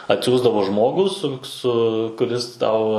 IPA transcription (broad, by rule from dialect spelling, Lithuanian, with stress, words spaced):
ɐtʲˈsʲuːzdɐʋoː ˈʒmoːɡuː sʊ ˈsʊ kʊˈrʲɪs ˈtɐʊ